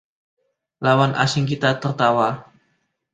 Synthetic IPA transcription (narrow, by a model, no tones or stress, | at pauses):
lawanʔa̰sɪŋkit̪at̪ərt̪awa